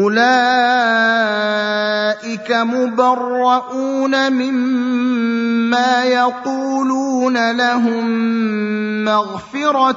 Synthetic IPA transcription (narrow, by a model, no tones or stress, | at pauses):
ʔʊlaː | ʔɪkamʊbɑrˤːɑʔuːnamɪm | aːjɑquːluːnalaɦʊmː | aɣfɪɾɑ